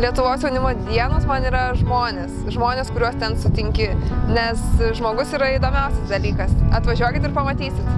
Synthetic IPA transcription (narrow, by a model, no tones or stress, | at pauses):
lʲiɛt̪ʊʋoːsjɛʊnʲɪmoːd̪ʲiɛnoːsmɐniːɾɐʒmoːnʲeːsʒmoːnʲeːskʊɾʲuɔst̪ʲɛnsʊt̪ʲɪŋʲkʲɪnʲɛsʒmoːɡʊsiːɾɐid̪oːmʲɛʊsʲɛsd̪ɐlʲiːkɐsɐt̪ʋɐʒʲuɔkʲɪt̪ɪrpɐmɐt̪ʲiːsʲɪt̪